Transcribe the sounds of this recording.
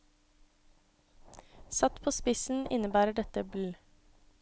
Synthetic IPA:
sɑt̪pʰoːspɪsn̩ʔɪnəbæːɾəɖɛt̪əblʉː

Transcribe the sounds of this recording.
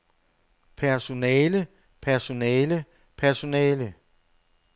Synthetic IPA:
pʰæɐso̝nɛːlə | pʰæɐso̝nɛːlə | pʰæɐso̝nɛːlə

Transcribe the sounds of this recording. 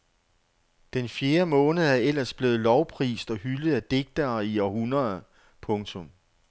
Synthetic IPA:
d̥enfje̝ːɐmɔ̽ːnð̩ˠæɐel̰ɐsb̥le̝ːð̩ˠlɒʊpʰʁḭːsd̥ɒ̽hyləð̩ˠæd̥e̝ɡ̥̚d̥ɐːiɒhunɐ | pʰɔ̽ŋt͡sʰɔ̽m

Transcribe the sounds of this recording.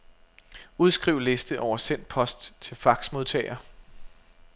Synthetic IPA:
uð̞ˠsɡ̥ʁiʊle̝sd̥əʔɒʊɐsen̰d̥̚pʰɒ̽sd̥t͡sʰe̝lfɑ̈ɡ̥smo̝ð̞ˠt͡sʰɛ̰ɪɐ

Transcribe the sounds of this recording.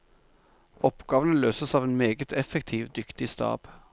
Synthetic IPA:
ɔpɡɑːʋənəløːsəsɑːʋeːnmeːɡət̪ʰɛfəkt̪ʰiːʋd̪ʏkt̪ɪst̪ɑ̰ːb̥

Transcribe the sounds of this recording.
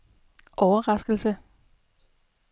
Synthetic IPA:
ʔɒʊɐʁɑ̈sɡ̥l̩sə

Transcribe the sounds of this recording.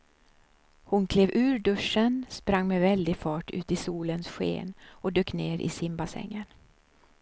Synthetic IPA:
hʊnkʰleːvʉ̟ːɾɖɵʂənspɾaŋːmɛvɛld̪ɪfɑːʈʉ̟ːt̪ɪsuːlənsɧḛːnɔd̪øːkneːɾʔɪ̰sɪmbasɛ̰ŋːən

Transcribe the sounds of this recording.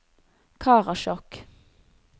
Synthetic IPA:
kʰɑːʁɑʃɔk

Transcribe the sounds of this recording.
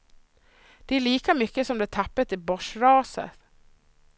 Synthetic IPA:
d̪̥ɛæɭiːkamʏkːəsɔmd̪ɛt̪ʰapːət̪ɪbɔʂɾɑːsə̰t̪

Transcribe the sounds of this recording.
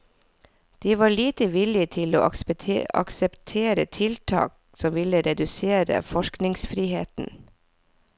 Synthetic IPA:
d̪̥iːʋɑːɭiːt̪əʋɪlɪt̪ʰɪlo̰ːʔɑʔɑ̰ksɛpt̪ʰeːɾə̰t̪ʰɪlt̪ʰɑ̰ːk | sɔmʋɪləɾɛd̪ʉseːɾə̰fɔʃknɪŋsfɾiːheːt̪n̩

